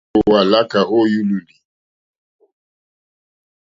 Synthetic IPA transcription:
o˨wa˨la˦ka˨ho˦ju˦lu˨li˨

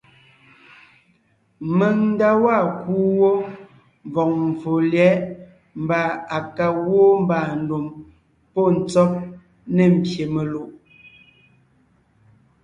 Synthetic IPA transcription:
me˨ŋn̩˦da˦wa˦˨kuː˦wo˦ | ɱ˨vɔ˨k̚m̩˨vo˨ljɛ˨˦ʔ | m̩˨˦ba˨a˨ka˨wo˦m˦ba˨n̩˨do˨m | pɔ˦n̩˨t͡sɔ˦p̚ | nɛ˨m̩˨pje˨me˨lo˨ʔ

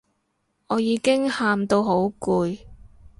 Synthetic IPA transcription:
ɔː˨˧jiː˨˧kɪ˥ŋhaː˨˧mt̪o˧wɦo˨˥wkuː˨˧j

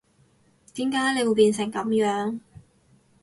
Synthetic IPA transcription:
t̪iː˨˥mkaː˨˥jle˨˧wu˧wpiː˧nsɪ˨˩ŋkɐ˨˥mjœː˨˥ŋ

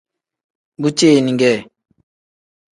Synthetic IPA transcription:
bu˦t͡ʃe˦˨nĩ˨ŋɡɛ˦˨

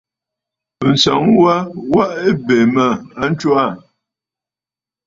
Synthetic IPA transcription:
ə˨n̩˨sa̰˨˦ŋ˦wa˦wa˦ʔe˦be˨mə˨a˦n̩˦t͡ʃo˦a˦˨

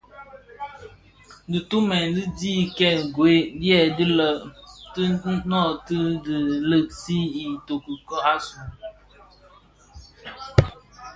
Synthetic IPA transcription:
dɨ˨tu˦mɛ˨n˦dɨ˦diː˦kɛ˦˨ɡwe˦djɛ˨di˦lə˨ʔtɨ˦nɔ˦˨tɨ˦dɨ˨lə˦˨ʔsi˦i˨to˨ku˨kɔ˦a˦su˨

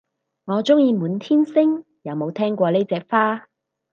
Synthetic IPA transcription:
ŋɔː˨˧t͡sʊ˥ŋjiː˧muː˨˥nt̪ʰiː˥nsɪ˥ŋ | jɐ˨˧wmo˨˧wt̪ʰɛː˥ŋkʷɔː˧le˥t͡sɛː˧k̚faː˥

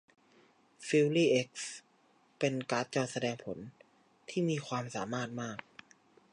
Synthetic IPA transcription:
fi˧wliː˥˩ʔe˦˥k̚s | pe˧nkaː˦˥t̪̚t͡ɕɔː˧˩t̪̚sa˧dɛː˧ŋpʰo˩˦n | t̪ʰiː˥˩miː˧kʰwaː˧msaː˩˦maː˥˩t̪̚maː˥˩k̚

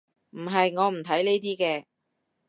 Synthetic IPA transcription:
m̩˨˩ɦɐ˨jŋɔː˨˧m̩˨˩t̪ʰɐ˨˥jneː˥jt̪̬iː˥kɛː˧

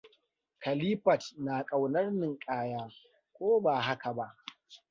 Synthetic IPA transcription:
kɐ˨liː˦ɸɐ˨tnaː˨kʼa˨wnɐ˦rnɪ˨ŋkʼaː˦jaː˦ | kʷoː˦baː˨ɦa˦ka˨ba˦ʔ

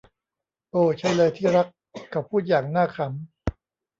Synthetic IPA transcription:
ʔoː˧˩t͡ɕʰa˦˥jlɤː˧jt̪ʰiː˥˩ɾa˦˥k̚ʰː | a˨˩pʰːuː˥˩t̪̚jaː˨˩ŋnaː˥˩kʰɾa˦m

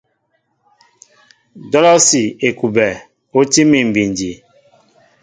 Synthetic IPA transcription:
dɔ˦lɔ˦si˨e˨ku˨bɛ˨ | o˦ti˦mi˨m̩˨bi˨ndi˨

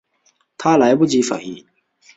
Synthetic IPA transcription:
t̪ʰa˦la˨˦ɪbu˥˨t͡ɕi˧fa̰˨˩i˧˨˩

